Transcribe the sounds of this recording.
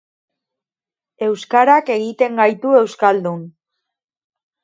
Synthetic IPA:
e̞wskaɾake̞ɣit̪e̞ŋɡajt̪ue̞wskald̪un

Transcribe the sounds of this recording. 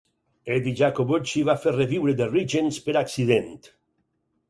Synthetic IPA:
ed̪iʒakoβot͡ʃiβafereβiwɾed̪eriʒenspeɾaksiðent̪

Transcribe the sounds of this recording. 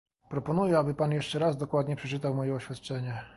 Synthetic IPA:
pɾɔpɔnujɛabɘpanjɛʂt͡ʂɛɾazd̪ɔkwad̪ɲɛpʂɛt͡ʂɘt̪awmɔjɛɔɕfʲjat̪t͡ʂɛɲɛ

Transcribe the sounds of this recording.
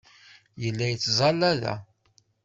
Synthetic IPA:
jəlːæjət͡sːzˤɑlːæðæ̰

